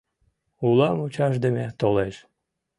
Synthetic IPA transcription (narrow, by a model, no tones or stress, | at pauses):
ulˠɑmut͡ɕɑʃ̬d̪emet̪oleʃ